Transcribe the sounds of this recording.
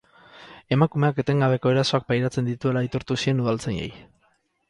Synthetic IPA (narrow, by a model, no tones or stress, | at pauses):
e̞makume̞ake̞t̪e̞ŋɡaβe̞ko̞e̞ɾaso̞ak̚pajɾat͡se̞nd̪it̪ue̞lait̪oɾt̪usie̞nuð̞alt͡sejḛj